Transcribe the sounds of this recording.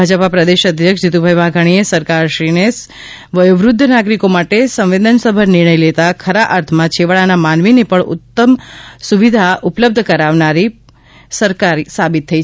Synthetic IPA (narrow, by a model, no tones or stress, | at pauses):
ad͡ʒəpapɾəd̪eʃəd̪ʱjəkʃd͡ʒit̪ubʱajʋaɡʱaɽ̃iesəɾkaɾʃɾines | ʋəjuʋɾʊd̪ʱːənaɡɾikomaʈesə̃mʋed̪ənsəbʱəɾnɪɾɳəjlet̪akʰəɾaʔaɾt̪ʰmãt͡ʃʰeʋəɭanamanʋinepəɳʊ̰t̪ːəmsuʋid̪ʱaʊpləb̚d̪ʱkəɾaʋnaɾi | səɾkaɾisabɪt̪ʰːəi